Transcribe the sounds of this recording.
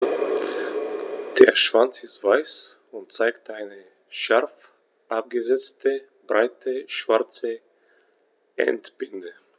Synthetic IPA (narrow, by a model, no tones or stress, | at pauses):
d̥eːɐʃv̥ant͡sɪstv̥aɪs | ʊntt͡saɪktʔaɪnə | ʃaʁf | ʔap̚ɡ̥əzɛt͡stə | b̥ʁaɪtʰəʃv̥aʁt͡sə | ʔɛ̰ntb̥ɪndə